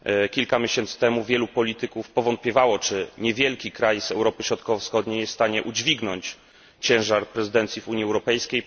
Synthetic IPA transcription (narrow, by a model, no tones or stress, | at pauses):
kʲilkamʲjɛɕɛnt̪sɘ̥t̪ɛmuvʲjɛlupɔlʲit̪ɘkufpɔvɔnt̪̚pʲjɛvawɔt͡ʂɘɲɛvʲjɛlkʲikɾajzɛwɾɔpɘɕɾɔt̪kɔvɔfsxɔd̪ɲejɛsst̪aɲɛʔud͡ʑvʲiɡnɔɲt͡ɕ | t͡ɕɛ̃w̃ʐaɾpɾɛzɘd̪ɛnt̪sʲjivuɲiɛwɾɔpɛjskʲej